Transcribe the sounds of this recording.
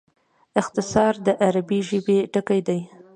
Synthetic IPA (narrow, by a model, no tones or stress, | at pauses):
ɪxt̪ɪsɑɾd̪əʔaɾabiʒəbeʈəkajd̪aj